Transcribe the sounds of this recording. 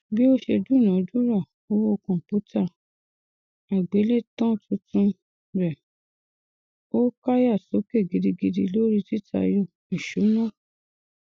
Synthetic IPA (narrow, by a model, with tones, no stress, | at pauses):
bi˦o˦ʃe˧du˦˨nã˨˦du˦ɾa˦˨ | o˦wo˧kɔ̃˨pu˨˦tʰa˦˨ | a˨ɡ͡be˨˦le˦tɔ̃˦tũ˧tũ˧ | ɾɛ˨ | o˦ka˦ja˦˨so˨˦ke˦˨ɡi˨di˧ɡi˧di˧lo˦ɾi˦ti˦tʰa̰˧jo˦˨ | i˨ʃu˨˦nã˦˨